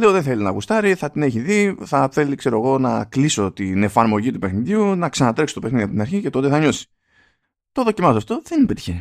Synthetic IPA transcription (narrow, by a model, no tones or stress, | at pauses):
leo̞ðeθe̞linɐ̰ɣust̪ɐɾiθɐt̪ine̞çiðiθɐfe̞likse̞ɾo̞eɣo̞nɐkliso̞t̪ine̞fɐɾmo̞ʝit̪upexniðiunɐksɐnɐt̪ɾe̞kso̥t̪openiðiɐpot̪inɐɾçice̞t̪o̞t̪e̞θɐɲo̞si̥ | t̪oðo̞cimɐsoɐft̪o̞ðe̞ninepe̞t̪i̥çe